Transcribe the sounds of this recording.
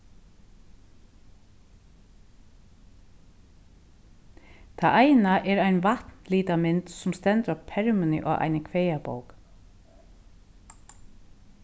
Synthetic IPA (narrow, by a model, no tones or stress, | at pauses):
t̪ʰaʔaɪnaʔɛːɾaɪnʋat̪nliːt̪amɪnt̪sʊmst̪ɛnt̪ɔpʰːɛɹmʏnɪ̰ʔɔ̰ːʔa̰ɪnəkʰʋejabo̰wk